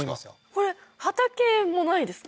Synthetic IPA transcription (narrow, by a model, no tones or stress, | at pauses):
ima̰so̰ko̞ɾe̞hat̪ake̞mmːo̞naid̪e̞sɨ̥